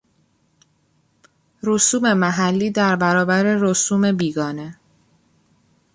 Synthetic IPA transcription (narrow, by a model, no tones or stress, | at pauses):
ɾosuːme̞mæɦælːiːd̪æɾbæɾɒːbæɾe̞ɾosuːme̞biːɡɒːne̞